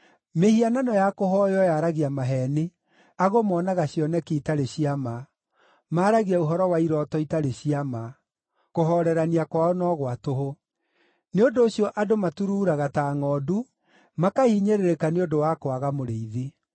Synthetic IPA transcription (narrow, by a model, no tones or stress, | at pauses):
mehiananɔjakoɦɔjɔjaɾaɣiamaɦɛne | aɣomɔnaɣaɕjɔnɛkeitaɾeɕiama | maːɾaɣiaoɦɔɾɔwaiɾɔtɔitaɾeɕiama | koɦɔɾɛɾaniakwaɔnɔɣwatoɦo | neondoːɕjɔʔadomatuɾuːɾaɣataːŋɔːdu | makaiːɲeɾeɾekaneondowakwaɣamoɾeiðe